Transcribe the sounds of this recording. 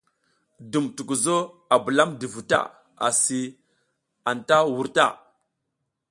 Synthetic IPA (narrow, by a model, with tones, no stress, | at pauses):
du˨mtu˨ku˨zo˦a˨bu˨la˦mdi˨vu˨ta̰˦˨ | a̰˨si˨ | a˨nta˦wu˦ɾta̰˦˨